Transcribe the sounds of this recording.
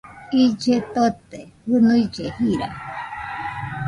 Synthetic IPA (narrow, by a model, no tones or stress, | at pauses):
id͡ʒet̪ot̪ehɨnuid͡ʒehiɾa